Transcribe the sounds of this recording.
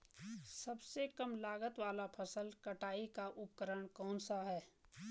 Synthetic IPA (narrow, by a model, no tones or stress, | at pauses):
səbsekəmlaːɡət̪waːlapʰəsəlkəʈaːikaʔʊpkəɾəɳ̃kɔ̃ːnsaɦɛː